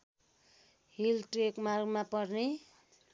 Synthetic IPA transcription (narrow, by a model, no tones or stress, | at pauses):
hilʈrekmarɡmapʌrne